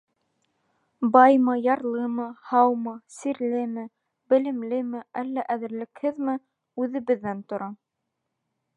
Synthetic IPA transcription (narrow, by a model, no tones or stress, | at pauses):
bɑjmɤjɑɾlˠɤmɤhɑwmɤsiɾlɘmɘ | bɘ̆lɘ̆mlɘmɘʔælːæʔæðɘ̆ɾlɘ̆khɘðmɘ | ʉðɘ̆βɘ̆ðːænt̪ŏɾɑ